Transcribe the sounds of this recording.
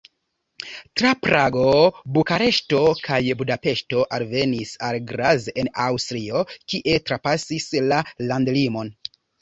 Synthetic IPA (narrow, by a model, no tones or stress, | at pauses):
tɾapɾaɡo̞bukaɾe̞ʃto̞kʰajbudape̞ʃto̞ʔalve̞nisalɡɾaze̞nawstɾio̞kiʔe̞tɾapasislalandlimo̞n